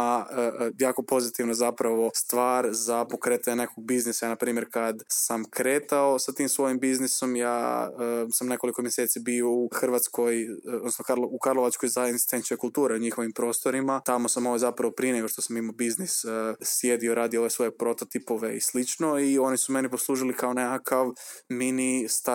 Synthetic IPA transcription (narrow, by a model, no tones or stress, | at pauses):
ajaːko̞po̞zit̪iʋnozapɾaʋo̞st̪ʋaːɾzapo̞kɾet̪ene̞koɡ̚biznisajaːnapɾiːmjeɾkad̪samkɾeːt̪ao̞sat̪iːmsʋo̞jimbizniso̞mja̰ːəsamne̞ko̞liko̞mjeseːt̪sibio̞uxrʋat̪skʰo̞jod̪nosnokaloukaɾlˠo̞ʋat͡ʃkojzaesist̪ent͡ʃkojkulˠt̪uːɾeuɲixo̞ʋimpɾo̞ːst̪o̞ɾimat̪amo̞samo̞ʋojzapɾaʋopɾineɡo̞ʃt̪o̞samimobiznissje̞d̪ioɾaːd̪ioo̞ʋe̞sʋo̞je̞pɾo̞t̪ot̪ipo̞ʋe̞ḭslit͡ʃno̞io̞nisume̞nipo̞slˠuːʒilikʰaonekakʰaʋminist̪a